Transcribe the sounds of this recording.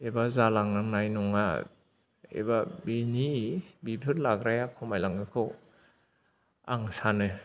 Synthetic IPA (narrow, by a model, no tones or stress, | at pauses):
ebazalaŋnaŋnajnɔŋa̰ | ḛbabinibibʰʱɯɾlaɡɾajakʰɔmajlaŋɯkʰɯw | a̰ŋsanɯ